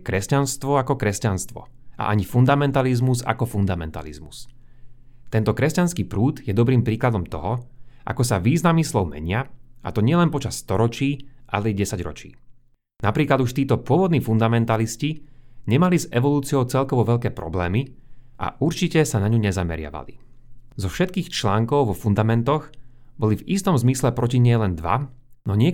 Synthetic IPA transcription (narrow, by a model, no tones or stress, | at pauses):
kɾɛscanst̪ʋɔakɔkɾɛscanst̪ʋɔ̰ʔa̰ʔaɲifund̪amɛnt̪alizmuza̰kɔfund̪amɛ̰nt̪a̰lḭzmus | t̪ɛnt̪ɔkɾɛscanskiːpɾuːd̪jɛd̪ɔbɾiːmpɾiːklad̪ɔmt̪ɔɦɔʔa̰kɔsaʋiːznamiːslɔʊmɛ̰ɲɪaʔa̰t̪ɔɲɪɛlɛnpɔt͡ʃasːt̪ɔɾɔt͡ʃiːʔa̰lɛɛɟɛsaɟɾɔ̰t͡ʃḭː | napɾiːklad̪uʃt̪iːt̪ɔpʊɔʋɔd̪̚niːfund̪amɛnt̪alisciɲɛmalizɛʋɔluːt͡siɔʊt͡sɛlkɔʋɔʋɛʎkɛːpɾɔ̰blɛːmiʔa̰uɾt͡ʃicɛsanaɲuɲɛzamɛ̰ɾɪa̰ʋa̰lḭ | zɔfʃɛt̪̚kiːxt͡ʃlaːŋkɔʊʋɔfund̪amɛnt̪ɔɣbɔlivist̪ɔmzmislɛpɾɔciɲɪɛlɛnd̪ʋa̰nɔɲɪɛ